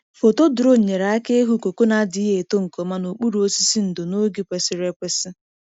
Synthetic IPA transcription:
fo˨to˦dʊ˨ɾo˦˨ɲe˨ɾa˨a˦ke˦ɦu˦ko˨ko˦na˨˦dɪ˨˦i˦ɦe˨to˦ŋ̩˨ko˨ma˦no˨k͡pu˦ɾu˨o˦si˦si˦n̩˨do˨no˦ɡi˨pʷe˨sɪ˦ɾe˦kʷe˦sɪ˦

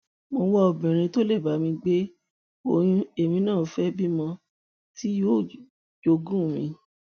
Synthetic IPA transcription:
mo˧wɔ˦o˨bɛ̃˨ɾ̃ĩ˧to˦le˦˨ba˨˦mĩ˧ɡ͡be˦ | o˨jũ˧˦e˨mĩ˧˦nãː˦˨˦fɛ˦bi˦mɔ̃˧ | ti˦jo˦˨ | d͡ʒo˧ɡũ˦˨mĩ˨˧

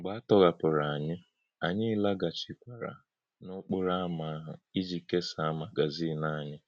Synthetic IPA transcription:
ɡ͡ba˦tɔ˦ɣa˨pʊ˨ɾa˨a˨ɲɪ˦ | a˨ɲɪ˦la˦ɡa˨t͡ʃi˨kʷa˨ɾa̰˨ | nʊ˦k͡pʊ˦ɾa˦ma˨i˦d͡ʒi˨ke˦sa˨a˦ma˨ɡa˨zi˦˨na˦˨ɲɪ˦

